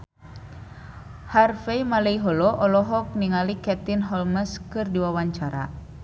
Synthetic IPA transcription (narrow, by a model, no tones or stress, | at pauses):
harfeimaleiɦɔlɔʔɔlɔɦɔk̚niŋalikɛt̪inɦɔlməskɨrdiwawaɲt͡ʃaɾa̰